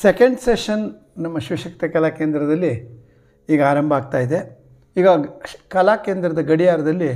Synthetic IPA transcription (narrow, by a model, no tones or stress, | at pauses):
sekeɳɖseʃɐn | nɐmːɐʃʋiʃɐkt̪ɐkɐlaːkeːnd̪ɾɐd̪ɐlːi | iːɡɐaːɾɐmbʱɐaːɡ̚t̪aːjid̪e̞ | iːɡɐkɐlaːkeːnd̪ɾɐd̪ɐɡɐɽijaːɾɐd̪ɐlːi